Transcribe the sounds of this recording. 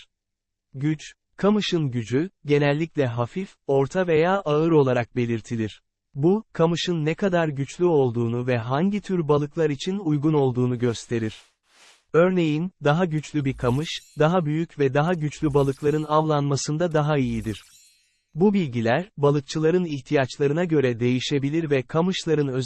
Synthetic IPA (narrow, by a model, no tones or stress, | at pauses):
ɟyt͡ʃ | kʰamɯʃɯnɟyd͡ʒyɟe̞nɛlʲːic̚lʲɛɦafifo̞ɾt̪ʰave̞jaːʔaɯɾo̞lˠaɾak̚be̞lʲiɾt̪ʰilʲiɾ̥ | bukʰamɯʃɯnːɛkʰad̪aɾɟyt͡ʃlʲyo̞lˠd̪uːnuvɛɦaɲɟit̪ʰyɾbalˠɯklˠaɾit͡ʃʰinujɡuno̞lˠd̪uːnuɟø̞st̪ʰe̞ɾiɾ̥ | ø̞ɾne̞jind̪aɦaɟyt͡ʃlʲybiɾkʰamɯʃd̪aɦabyjycvɛd̪aɦaɟyt͡ʃlʲybalˠɯklˠaɾɯnavlˠanmasɯnd̪ad̪aɦaijid̪iɾ̥ | bubilʲɟilʲæɾbalˠɯk̚t͡ʃʰɯlˠaɾɯniçt̪ʰijat͡ʃlˠaɾɯnaɟø̞ɾɛd̪e̞jiʃe̞bilʲiɾvɛkʰamɯʃlˠaɾɯnø̞z